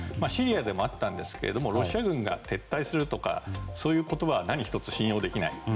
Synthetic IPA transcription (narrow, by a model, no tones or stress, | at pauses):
maɕiɾʲiad̪e̞mo̞at̪ːãnd̪e̞sɨ̥ke̞ɾe̞d̪o̞mo̞ɾo̞ɕiaɡɯ̟̃ŋɡa̰t̪ʰe̞t̪ːaisɨɾɯ̟t̪o̞ka̰so̞ːjɯ̟ːko̞t̪o̞baβanaɲ̟içi̥t̪o̞t͡sɨ̥ɕĩjoːd̪e̞kʲinaḭ